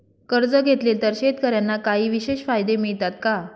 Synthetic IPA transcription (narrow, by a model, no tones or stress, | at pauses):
kəɾd͡zəɡʱet̪lelt̪əɾɕet̪kəɾjanːakaɦiːʋiɕeɕfajd̪emiɭt̪at̪ka